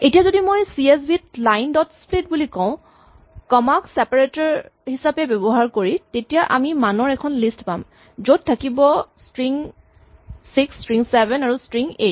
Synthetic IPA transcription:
etijazodimojsies̬bitlajndɔtsplit̚bulikɔ̃ʊ̃ | kɔmaksɛpaɹetɔɹhisapɛbɔbɔɦaɹkoɹitetijaʔamimanɔɹɛkʰɔnlistpam | zot̚tʰːakibɔstɹiŋ | sikstɹiŋsɛbɛnaɹustɹiŋet̚

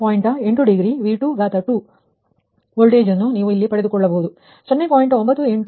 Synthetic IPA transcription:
paːjiɳʈɐe̞ɳʈuɖiɡɾiːʋiːʈuɡaːt̪ɐʈːu | oɭɖeːd͡ʒɐnːuniːʋuilːipɐɽed̪ukɔɭːɐboːd̪u | t͡ʃɔnːepaːjiɳʈombɐt̪ːueɳ

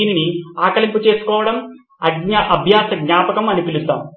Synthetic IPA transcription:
iːniniaːkɐɭimput͡ʃe̞ːsu̥kɔːʋɐɽɐm | ɐɡɲaʔɐbʱjaːsɐɡɲaːpɐkɐmɐnipilut̪ːa̰ːm

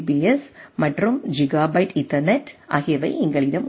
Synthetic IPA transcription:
biɛsmɐʈrɯmd͡ʒɪɡaːbɐɪʈɪʈːɐɾneʈʔa̰ːɣeʋɐɪɪŋɡɐɭɪɾɐm

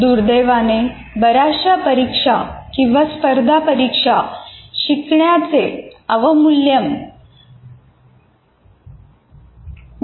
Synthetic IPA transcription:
d̪uːɾd̪eʋane | bəɾaɕapəɾikʂakĩw̃ʋaspəɾd̪ʱapəɾikʂaɕikɳjat͡seəʋəmuljəm

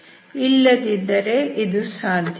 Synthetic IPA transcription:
ilːɐd̪id̪ːɐɾe̞ʔid̪usaːnd̪ʱ

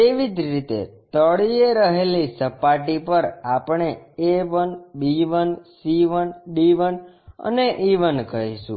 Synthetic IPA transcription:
t̪eʋid͡ʒɾit̪ḛt̪əɭieɾəɦelisəpaʈipəɾapɳeeʋənbiʋənsiʋənɖiʋən | ə̰neʔiʋənkəɦiʃṵ̃

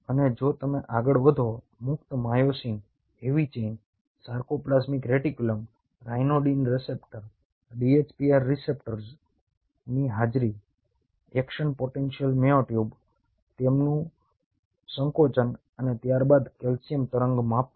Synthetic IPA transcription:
əned͡ʒot̪əmeʔaɡəɭʋəd̪ʱo | mʊkt̪majosĩŋɡ | eʋit͡ʃen | saɾkoplasmikɾeʈikjuləm | ɾajnoɖinɾɛsepʈəɾ | ɖiet͡ʃpiaɾːisepʈəɾs | niɦad͡ʒɾi | ɛkʃənpoʈenʃijəlmeoʈjub | t̪emnũ | səŋkot͡ʃən | ənet̪jaɾbad̪kelsijəmt̪əɾəŋɡmãp

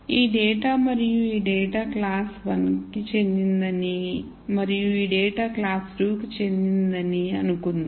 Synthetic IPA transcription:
iːɖɛːʈaːmɐɾijuiːɖɛːʈaːklaːsʋɐnkit͡ʃe̞nd̪ind̪ɐni | mɐɾijuiːɖɛːʈaːklaːsʈuːkit͡ʃe̞nd̪ind̪ɐniɐnukund̪i

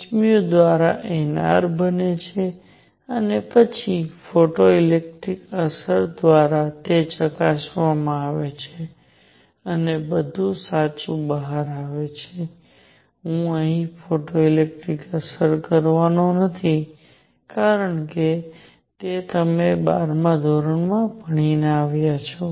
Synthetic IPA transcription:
t͡ʃmijod̪ʋaɾaʔena̰ɾbənet͡ʃʰe | ənepət͡ʃʰifoʈoilek̚ʈɾikəsəɾd̪ʋaɾat̪et͡ʃəkaʃʋamãaʋet͡ʃʰe | ənebəd̪ʱũsat͡ʃũbəɦaɾaʋet͡ʃʰe | ɦũəɦĩfoʈoilek̚ʈɾikəsəɾkəɾʋanonət̪ʰi | kaɾəɳke | t̪et̪əmebaɾmãd̪ʱoɾəɳmãpəɳ̃ineaʋjat͡ʃʰo

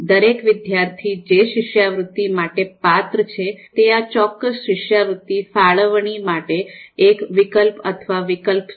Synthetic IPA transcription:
d̪əɾekʋɪd̪jaɾt̪ʰid͡ʒeʃɪʃjaʋɾʊt̪ːimaʈepat̪ɾət͡ʃʰet̪eat͡ʃɔkːəsʃɪʃjaʋɾʊt̪ːifaɭəʋɳ̃imaʈeːkʋɪkəlpət̪ʰəʋaʋɪkəlp

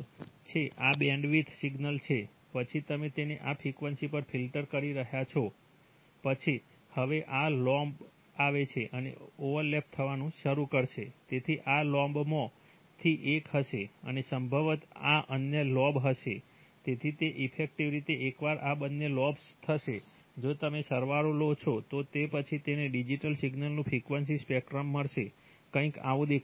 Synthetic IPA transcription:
t͡ʃʰeʔabɛ̃ɳɖʋit̪ʰsiɡnəlt͡ʃʰe | pət͡ʃʰit̪əmet̪eneʔapʰikʋənsipəɾfʰilʈəɾkəɾiɾəɦjat͡ʃʰɔ | pət͡ʃʰi | həʋeʔalɔmb | aʋet͡ʃʰeʔənḛoʋəɾlep̚t̪ʰəʋanũʃəɾukəɾʃet̪et̪ʰiʔalɔ̃mbmõ | t̪ʰiʔekɦəʃeə̰nesəmbʱəʋət̪a̰ʔənjəlɔbɦəʃe | t̪et̪ʰit̪eʔifʰek̚ʈiʋɾit̪eekʋaɾabənːelɔbst̪ʰəʃe | d͡ʒot̪əmesəɾʋaɾolot͡ʃʰot̪ot̪epət͡ʃʰit̪eneɖid͡ʒiʈəlsiɡnəlnũpʰikʋənsispɛkɾəmːəɽʃe | kə̃ĩka̰ʋũd̪ek

